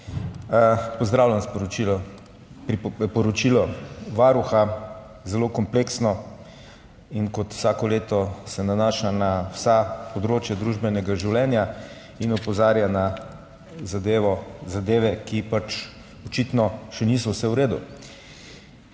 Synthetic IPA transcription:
pɔzd̪ɾawlʲjanspi | ɾipɔɾɔt͡ʃilɔʋaɾuxa | zɛlokɔmpleːksnɔ | inkɔt̪w̥saːkɔleːt̪ɔsɛnanaːʃanawsapɔd̪ɾoːt͡ʃjad̪ɾuʒbɛnɛɡaʒiwlɛnja | inɔpɔzaːɾjana | zad̪eːʋɔzad̪eːʋɛkipat͡ʃ | ɔt͡ʃit̪nɔʃɛnis̬ɔwsɛwɾeːd̪ṵ

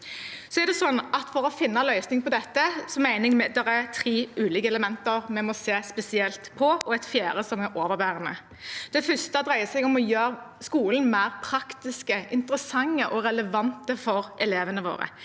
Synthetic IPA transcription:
sɔɛɾd̪ɛsɔnːɑt̪fɔɾɔfɪnːɑlœʏsnɪŋpɔd̪ɛt̪ːəsɔmæɪnɪŋmɛd̪ɛʁæɾt̪ʰɾiːʉːlɪkəɛləmɛnt̪əʁmɛmɔseːspɛsɪɛlt̪pʰɔɔɛt̪fjæːɾəsɔmɛɾʔoːʋəbæːʁənə̰ | d̪̥ɛfœst̪əd̪ʁæɪəsɛɡɔmɔjøːɾskuːln̩mæɪʁpʰɾɑkt̪ɪskəʔɪnt̪əɾəsɑŋːəʔɔɾɛləʋɑnt̪əfɔɾʔɛleːʋənəʋo̰ːɾə̰

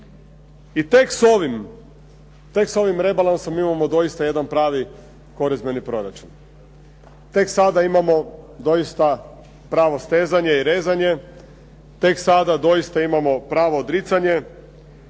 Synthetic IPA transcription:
it̪eksoʋim | t̪e̞kso̞ʋimɾe̞balˠansomimamo̞d̪o̞jist̪aje̞d̪anpɾaːʋi | ko̞ɾizbe̞nipɾo̞ɾat͡ʃun | t̪e̞ksad̪aimamo̞d̪o̞jist̪a | pɾaːʋo̞st̪e̞ːzaɲe̞iɾe̞ːzaɲe̞ | t̪e̞ksad̪ad̪o̞jist̪aimamo̞pɾaːʋo̞ːd̪ɾit̪saɲe̞

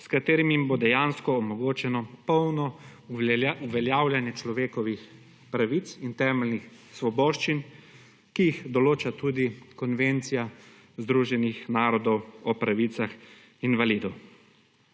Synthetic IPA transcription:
skat̪eːɾimjimboːd̪ɛjaːnskɔːmɔɡoːt͡ʃɛnɔpɔwnɔ | uʋɛljaːwljanjɛt͡ʃlɔʋeːkɔʋix | pɾaʋit̪sint̪ɛːmɛlnix | sʋɔbɔːʃt͡ʃin | kijixd̪ɔloːt͡ʃat̪uːd̪ikɔnʋent̪sija | zd̪ɾuːʒɛnixnaːɾɔd̪ɔwɔpɾaʋit̪sax | inʋaliːd̪ɔw

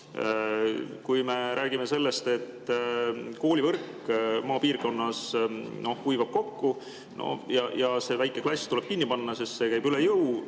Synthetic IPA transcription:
kujme̞ɾʔæːɡ̥ime̞se̞lːe̞st̪e̞t̪ː | ko̞ːlʲivɤrkː | mɑːpiːrko̞nːɑsno̞hkujvɑb̥̚ko̞kːu | nʔo̰jɑjɑse̞ːvæjkːˑe̞klɑsʲt̪ule̞b̥kinʲːipɑnːɑsisse̞kæjb̥ylejɤw

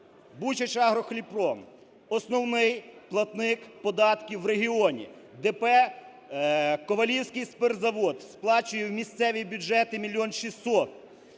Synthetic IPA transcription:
but͡ʃɐt͡ʃɑɦɾɔxlʲipɾɔm | ɔsnɔwnɪjplˠɐt̪nɪkpɔd̪ɑt̪kʲiwɾeɦʲiɔnʲḭd̪ɛpɛ | kɔʋɐlʲiwsʲkɪjspɛrzɐʋɔd̪splˠɑt͡ʃʊjɛwmʲist̪sɛʋʲibʲʊd͡ʒɛt̪ɪmʲilʲːɔnʃisɔt̪̚

